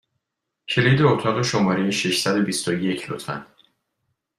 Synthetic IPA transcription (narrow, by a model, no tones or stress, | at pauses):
cʰe̞liːd̪eot̪ʰɒːɣe̞ʃomɒːɾe̞jeʃeʃsæd̪o̞bist̪ojecʰlo̰t̪ʰfæ̰n